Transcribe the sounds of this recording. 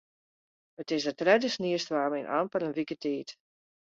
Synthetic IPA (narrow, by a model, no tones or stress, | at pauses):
ətɪsətrɛdəsniəstʋaːmɛnʔa̰ːmpəɾənʋikətʰeːt